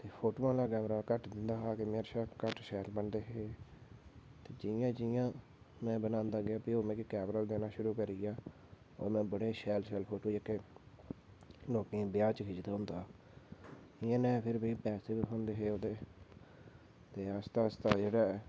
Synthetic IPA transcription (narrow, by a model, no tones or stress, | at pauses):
t̪eːpʰoːʈoːãːlaːkɛːmɾaːkəʈd̪ɪnd̪aːɦaːkemeːɾʃaːkəʈʃɛːlbənd̪eːɦeː | t̪eːd͡ʒɪjãːd͡ʒɪjãː | mɛ̃ːbənãːnd̪aːɡɪaːpiːoːmɛ̃ːkikɛːmɾəːld̪eːnãːʃʊɾuːkəɾiːaː | o̰ːmɛ̃ːbəɽeːʃɛːlʃɛːlpʰoːʈoːd͡ʒɪkːeː | loːkẽbɪjaːt͡ʃkʰid͡ʒd̪aːɦʊ̃nd̪aː | ɪãːnɛ̃ːpʰɪɾbĩːpɛːseːbiɦõːnd̪eːɦeːoːd̪eː | t̪eːast̪aːst̪aːd͡ʒeːɽaːɛː